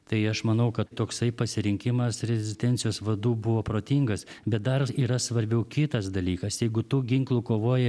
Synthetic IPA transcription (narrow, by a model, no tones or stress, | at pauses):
t̪ɐɪɐʃmɐnɐʊkɐt̪t̪oːksɐɪpɐsʲɪɾʲɪŋʲkʲɪmɐsɾʲɛzʲɪsʲt̪ʲɛnʲsʲɪjoːsʋɐd̪uːbʊʋoːpɾoːt̪ʲiŋɡɐsbʲɛt̪̚d̪ɐriːɾɐsʋɐɾʲbʲɛʊkʲɪt̪ɐsd̪ɐlʲiːkɐsjɛɪɡʊt̪uːɡʲɪŋklˠʊkoːʋoːjɛ